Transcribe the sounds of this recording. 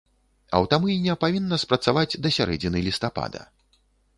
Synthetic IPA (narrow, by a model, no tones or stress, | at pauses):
ɐ̰wt̪amujnʲɛpavʲinːɐspɾɐt̪savad͡zʲd̪ɐsʲaɾɛd͡zʲinɨlʲist̪apa̰d̪ɐ̰